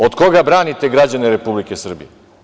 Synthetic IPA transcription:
od̪ko̞ɡabɾaːnit̪e̞ɡɾad͡ʑaneɾe̞publikesr̩bḭje

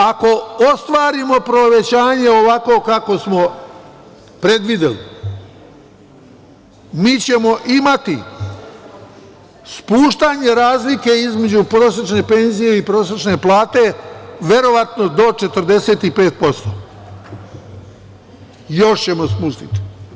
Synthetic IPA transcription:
ako̞ost̪ʋaːɾimo̞pɾo̞ʋe̞t͡ɕaːɲe̞oʋako̞kako̞smo̞ | pɾe̞d̪ʋid̪elḭ | miːt͡ɕe̞mo̞ʔimat̪i | spuːʃt̪aɲe̞ɾaːzlike̞izme̞d͡ʑupɾoːset͡ʃne̞pe̞nzije̞ipɾo̞ːset͡ʃne̞plˠaːt̪e̞ʋʲe̞ɾo̞ʋat̪no̞d̪o̞t͡ʃe̞t̪ərd̪e̞se̞ːt̪ipe̞ːt̪̚po̞st̪o̰ | joʃt͡ɕe̞mospuʃt̪it̪i̥

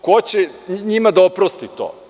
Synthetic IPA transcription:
kot͡ɕeɲimad̪aopɾost̪it̪o̰ː

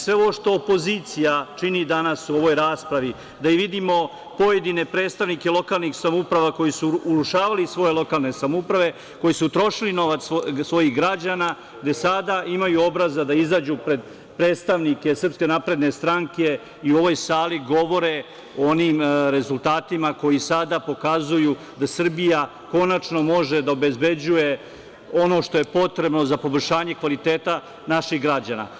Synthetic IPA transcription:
sʋe̞oʋoʃt̪o̞ːpo̞ziːt̪sijat͡ʃinid̪anasuo̞ʋo̞jɾaːspɾaʋi | d̪aiʋid̪imo̞ | po̞je̞d̪ine̞pɾe̞ːt̪st̪aʋnikelo̞kalˠniksamoupɾaʋako̞jisuːluʃaːʋalisʋo̞je̞lˠo̞kalˠne̞samoupɾaʋe̞ | ko̞jisut̪ɾo̞ʃilino̞ʋat̪ssʋo̞jiɣɡɾad͡ʑaːna | ɡd̪e̞sad̪aʔimajuo̞bɾazad̪aizaːd͡ʑupɾe̞d̪ | pɾe̞ːt̪st̪aʋnike̞sr̩pske̞napɾe̞d̪ne̞st̪ɾaŋke̞ | iuo̞ʋo̞jsaːliɡo̞ʋo̞ɾe̞ | ooniːmɾe̞zulˠt̪aːt̪imako̞jisad̪apo̞kazuju | d̪asr̩bija | ko̞nat͡ʃno̞mo̞ʒe̞d̪aobe̞zbe̞d͡ʑuje̞ | o̞no̞ːʃt̪o̞je̞po̞t̪ɾe̞bno̞zapo̞bolʲʃaːɲe̞kʋalit̪e̞ːt̪a | naʃiɣɡɾad͡ʑana̰

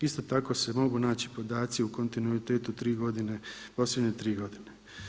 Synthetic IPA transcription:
ist̪o̞t̪ako̞se̞mo̞ɡunaːt͡ɕi̥po̞d̪aːt̪siuko̞nt̪inuit̪e̞ːt̪ut̪ɾiːɡo̞d̪inepo̞ːslje̞d̪ɲe̞t̪ɾiːɡo̞d̪ine

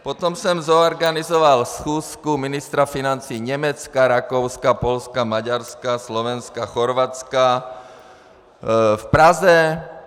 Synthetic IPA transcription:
pɔt̪ɔmsɛmzɔːɾɡanizɔʋalsxuːskuminist̪ɾafinant͡siːɲɛmɛt͡skaɾakɔʊskapɔʎskamaɟaɾskaslɔʋɛnskaxɔɾʋat͡ska | fpɾazɛ

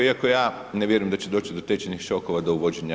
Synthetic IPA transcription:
iako̞jaː | neʋje̞ɾujemd̪at͡ɕed̪o̞ːt͡ʃid̪ot̪et͡ɕenixʃo̞koʋad̪ouʋo̞d͡ʑeɲa

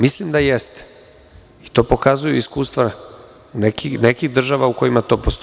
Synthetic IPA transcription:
mislimd̪ajest̪e̥ | it̪o̞ːpo̞kazujuiskuːst̪ʋa | nekinekiɣd̪r̩ʒaʋauko̞jimat̪o̞ːpost̪

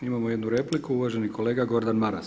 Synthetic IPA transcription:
imamoje̞d̪nuɾe̞plikuuʋaːʒe̞niko̞le̞ːɡaɡo̞ɾd̪anmaɾa̰s

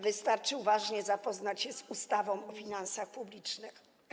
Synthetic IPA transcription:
vɘst̪aɾt͡ʂɘvaʐɲɛzapɔznat͡ɕɕɛzust̪avɔ̃w̃ɔfʲinansaxpublʲit͡ʂnɘx

